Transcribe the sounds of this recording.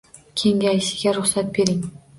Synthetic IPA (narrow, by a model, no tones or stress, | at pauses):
kʲʰe̞ŋʲajʃɪ̥ɡʲaɾʊχsat̪̚be̞ɾɪŋ